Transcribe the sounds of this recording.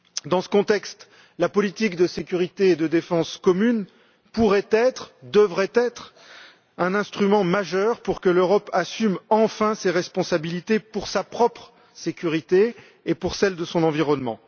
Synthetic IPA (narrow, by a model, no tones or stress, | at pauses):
d̪ɑ̃sə̥kɔ̃t̪ɛkst̪ | lapɔlit̪ikd̪əsekʲyʁit̪eːd̪əd̪efɑ̃skɔmyn | puʁɛt̪ɛt̪χd̪əvʁɛt̪ɛt̪χ | ɛ̃nɛ̃st̪χymɑ̃maʒœʁpuʁkəløʁɔpasymɑ̃fɛ̃seʁɛspɔ̃sabilit̪epuʁsapχɔpχ | sekʲyʁit̪eː | puʁsɛld̪əsɔ̃nɑ̃viʁɔnmɑ̰̃